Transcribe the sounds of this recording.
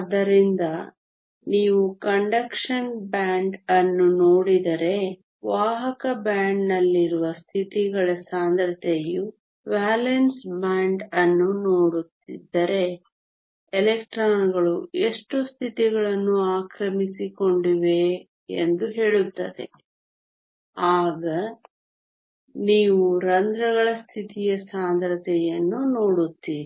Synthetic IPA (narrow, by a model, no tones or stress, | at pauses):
ɐd̪ːɐɾind̪ɐ | niːʋukɐɳɖɐkʂɐnbaːɳɖɐnːuno̞ːɽid̪ɐɾe̞ | ʋaːɦɐkɐbaːɳɖnɐlːiɾuʋɐst̪ʰit̪iɡɐɭɐsaːnd̪ɾɐt̪eju | ʋaːlensbaːɳɖɐnːuno̞ːɽut̪ːid̪ːɐɾe̞ | elekʈɾaːnɡɐɭueʂʈust̪ʰit̪iɡɐɭɐnːuaːkɾɐmisiko̞ɳɖiʋe̞ | ḛnd̪uɦe̞ːɭut̪ːɐd̪ḛ | aːɡɐ | niːʋuɾɐnd̪ɾɐɣɐɭɐst̪ʰit̪ijɐsaːnd̪ɾɐt̪ɛjɐnːuno̞ːɽut̪ːi